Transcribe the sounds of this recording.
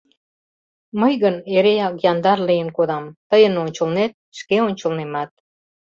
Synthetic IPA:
məjɣəneɾejɑkjɑnd̪ɑrlijənkoðɑmt̪əjə̆nonʲt͡ɕə̆lnet̪̚ʃkeonʲt͡ɕə̆lnemɑt̪̚

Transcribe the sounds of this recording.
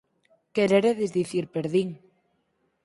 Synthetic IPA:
keɾeɾeðezðiθiɾpeɾðiŋ

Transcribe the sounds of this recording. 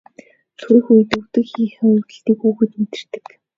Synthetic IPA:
t̪ʰuɾɘ̆xuj̆t̪uwt̪ɘ̆kxiːxʊwtɘ̆ɬt̪iːkuːɣɘ̆t̪met̪ɘ̆r̥t̪ɘ̥̆k

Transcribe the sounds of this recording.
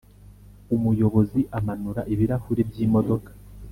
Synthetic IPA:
umujo̞βo̞ziʔamanuɾaʔiβiɾahuɾebɟiːmo̞do̞kḁ

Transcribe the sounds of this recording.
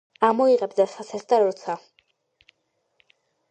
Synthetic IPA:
amɔiʁɛbd̪asat̪sʰɛsd̪aɾɾɔt̪sʰa

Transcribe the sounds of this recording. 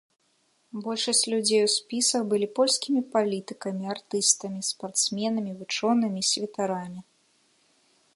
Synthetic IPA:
bɔlʲʂɐsʲt͡sʲlʲud͡zʲejwspʲisɐxbɨlʲipɔlʲskʲimʲipalʲit̪ɨkɐmʲiart̪ɨst̪ɐmʲispart̪smʲɛnɐmʲivɨt͡ʂɔnɨmʲisʲvʲɛt̪aɾamʲi

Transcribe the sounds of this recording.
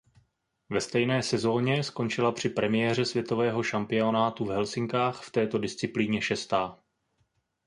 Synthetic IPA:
vɛst̪ɛjnɛːsɛzo̞ːɲɛsko̞nt͡ʃɪlapr̥ɪpɾɛmɪjɛr̝ɛsvjɛt̪o̞vɛːɦo̞ʃampɪo̞naːt̪uvɦɛlsɪŋkaːxft̪ɛːt̪o̞dɪst͡sɪpliːɲɛʃɛst̪aː

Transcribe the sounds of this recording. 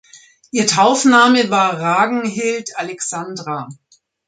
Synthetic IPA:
ʔiːɐtʰaʊfnaːməvaːɐʁaːɡŋ̩ɦɪltalɛksandʁa

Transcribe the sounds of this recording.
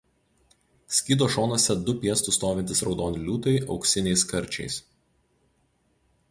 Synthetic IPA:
sʲkʲiːd̪oːʃoːnɔsʲɛd̪ʊpʲiɛst̪ʊst̪oːʋʲɪnʲt̪ʲɪsɾɒʊd̪oːnʲɪlʲuːt̪ɐɪʔɒ̰ʊksʲɪnʲɛɪskɐɾʲt͡ʃʲɛ̰ɪs

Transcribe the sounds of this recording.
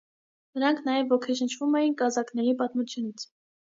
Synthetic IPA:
nəɾɑŋkʰnɑjɛvɔkʰɛʃənt͡ʃʰvumɛjinkɑzɑknɛɾipɑt̪mut͡sʰjunit͡sʰ

